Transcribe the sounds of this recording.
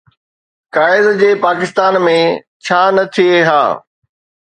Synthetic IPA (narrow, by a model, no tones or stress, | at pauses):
kaːɪzd͡ʑeːpaːkɪst̪aːnmẽ | t͡ɕʰaːnɐt̪ʰieɦa̰ː